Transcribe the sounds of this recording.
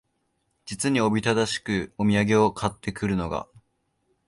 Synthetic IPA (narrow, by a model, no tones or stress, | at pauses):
d͡ʑit͡sɨɲ̟io̞bʲit̪ad̪aɕi̥kɯ̟o̞mʲiaɡe̞o̞kʰat̪ːe̞kɯ̟ɾɯ̟no̞ɡa̰